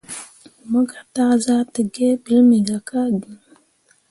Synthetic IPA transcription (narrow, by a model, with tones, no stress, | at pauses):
mə˦ɡa˨ta˦za˦tə˨ɡe˦bi˨˦lmi˨ɡa˨ka˦ɡə˨